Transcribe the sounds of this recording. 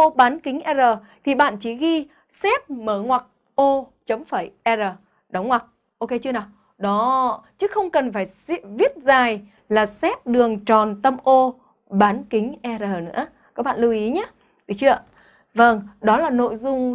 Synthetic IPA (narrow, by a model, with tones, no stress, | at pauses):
o˧ɓaː˨˦nki˨˦ŋ̟ʔɛ˧zəː˨˩ | t̪ʰi˨˩ɓa̰ː˧˨nt͡ɕi˧˩ɣi˧ | sɛ˦˥p̚məː˧˩ŋwa˨˩k̚ | ʔo˧t͡ɕə˨˦wŋ͡mfaː˧˩jʔɛ˧zəː˨˩ | ɗə˨˦wŋ͡mŋwa˨˩k̚ | ʔo˧ke˧t͡ɕɨ˧ənaː˨˩w | ɗɔ˨˦t͡ɕɨ˨˦xə˧wŋ͡mkə˨˩nfaː˧˩jsvi˦˥ət̚zaː˨˩j | laː˨˩sɛ˦˥p̚ɗɨ˨˩əŋt͡ɕɔ˨˩nt̪ə˧mʔo˧ | ɓaː˨˦nkï˨˦ŋ̟ʔɛ˧zəː˨˩nɨ̰˧˥ə | kɔ˨˦˥k̚ɓa̰ː˧˨lu˧wʔi˨˦ɲaː˨˦ | ɗɨ˨˩˦t͡ɕɨ˧˩ə˨ | və˧˩ŋɗɔ˨˦laː˨˩no̰˧˨jzʊ˧ŋ͡m